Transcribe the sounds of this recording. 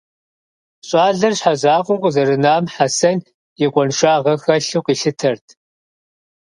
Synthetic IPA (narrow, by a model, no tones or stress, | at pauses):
ɕʼaːɮɐrɕħaʑaːqʷʼʊqʷʼzɐɾɨnaːmħasɐn | jɛkʷʼɔnʃaːʁɐxɐɬuqʼiːɬɨtʰɐrtʰ